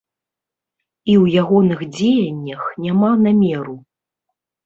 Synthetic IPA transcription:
iwjaɣɔnɨxd͡zʲejɐnʲːɐxnʲamanamʲɛɾu

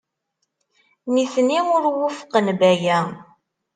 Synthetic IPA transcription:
niθniʊɾwʊfqːənbæjæ

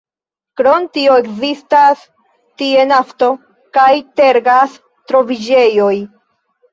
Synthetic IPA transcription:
kɾo̞ntio̞e̞kzistas | tie̞nafto̞ | kajte̞ɾɡas | tɾo̞vid͡ʒe̞jo̞j

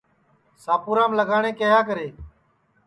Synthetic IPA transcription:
saːpuːɾãːmləɡʱaːɳ̃ẽːkəɦaːk̬əɾeː

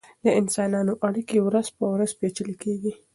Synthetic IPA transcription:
d̪əɪnsɑnɑnoʔaɽikewɾazpəwɾazpet͡ʃəlikeɡi

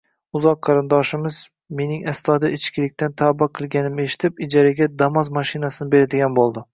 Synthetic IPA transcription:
ʊzɒqʰːɑɾɪnd̪ɒʃɪmɪz | me̞nɪŋast̪ʰɒd̪aɪt͡ʃkʲɪlɪk̚ʲt̪ant̪ʰabɑqʰɨlˠɡʲanɪme̞ʃɪ̥t̪ʰɪpɪd͡ʒaɾaɡʲad̪amɒzmaʃɪnasɪnɪbe̞ɾad̪ɪɡʲanbolˠd̪ɪ

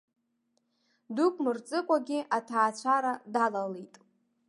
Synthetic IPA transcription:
dukʷʼmɨrt͡sʼɨkʷʼaɡʲɪatʰaːt͡ɕʷʰaɾadalalitʼ

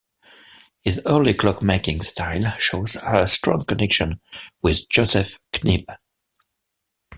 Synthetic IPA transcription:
hɪzɜ˞likʰl̥ɔkmeɪkɪ̃ŋstʰaɪlˠʃoʊzəstɹ̥ɔ̰̃ŋkənɛkʃə̃nwɪðd͡ʒoʊsɛfkʰnib

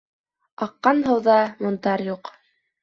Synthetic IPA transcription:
ɑqːɑnɦɤ̆wðɑmŏnt̪ɑɾjuq

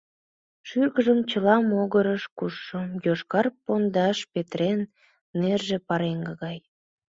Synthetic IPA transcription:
ʃyrɣəʒəmt͡ɕəlɑmoɣəɾəʃkuʃːəmjoʃkɑrpond̪ɑʃpet̪ɾenː | erʒepɑɾeŋɡəɣɑj

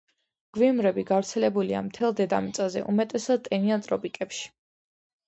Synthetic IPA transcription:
ɡ̥viumɾɛbiɡavɾt̪sʰɛlɛbulia̰mt̪ʰɛlˠd̪ɛd̪a̰mit̪sʼazɛ̰ʔumɛt̪ʼɛsad̪̚t̪ʼɛniant̪ʼɾɔpʼikʼɛpʃi̥

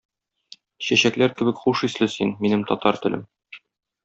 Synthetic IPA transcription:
ɕæɕæklæɾkɘ̆bɘ̆kχuʃislɘsinminɘmt̪ɒt̪ɑɾt̪ɘ̆lɘ̰m

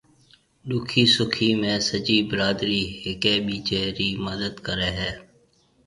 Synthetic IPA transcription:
ɗuːkʰiːsʊkʰiːmẽːsəd͡ʒiːbɪɾaːd̪ɾiːɦɪkeːɓiːt͡ʃɛːɾiːməd̪əd̪kəɾeːɦɛː

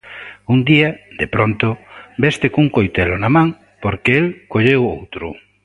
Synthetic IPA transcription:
und̪iɐd̪epɾont̪ʊbest̪ɪkuŋkojt̪elʊnamãŋ | poɾkɪelkoʎewo̰wt̪ɾʊ

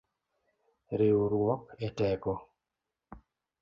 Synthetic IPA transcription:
ɾeuɾuɔkɛtɛkɔ

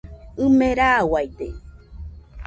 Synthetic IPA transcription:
ɨmẽɾawajt̪e

